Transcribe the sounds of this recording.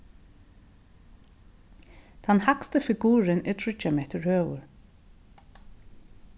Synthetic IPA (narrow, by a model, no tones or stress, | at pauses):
t̪ʰɑnhakst̪əfɪɡuːɹənɛt̪ʰɹʏt͡ʃameːt̪əɹhøːʋʊ̰ɹ